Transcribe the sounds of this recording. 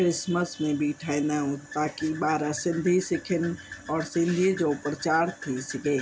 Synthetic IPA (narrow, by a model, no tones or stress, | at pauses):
kɾɪsməsmẽbʱiʈʰaːjnaɦut̪akibaːɾasɪ̃nd̪ʱisɪkʰɪnɔːɾsɪ̃nd̪ʱid͡ʒopɾət͡ʃaːɾt̪ʰisɡe